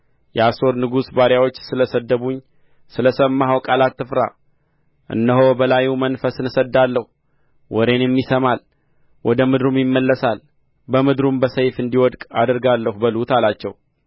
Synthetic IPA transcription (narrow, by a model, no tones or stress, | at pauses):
jɛaso̞ɾnɨɡusbaɾjawo̞t͡ʃːsɨləsəd̪ːəβuɲː | sɨləsəmːaɦawkʼalat̪ːɨfɾa̰ | ʔɨ̰nːəɦo̞bəlajumənfəsɨnsəd̪ːalːəhu | wɔɾe̞njɛmːisəmal | wʔɔd̪əmɨd̪ɾumjɪmːəlːəsal | bəmɨd̪ɾumbəsəjfɨnd̪iwɔd̪kʼad̪ɾɡalːəhubəlut̪ʰalat͡ʃːɛw